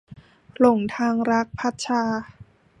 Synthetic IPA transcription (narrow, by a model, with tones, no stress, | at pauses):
lo˨˩ŋt̪ʰaː˧ŋɾa˦˥k̚pʰa˦˥t̪̚t͡ɕʰaː˧